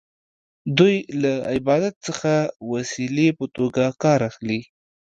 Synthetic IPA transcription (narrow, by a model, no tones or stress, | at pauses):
d̪ujlaɪbɑd̪at̪̚səxawasilepət̪oɡakɑɾaxli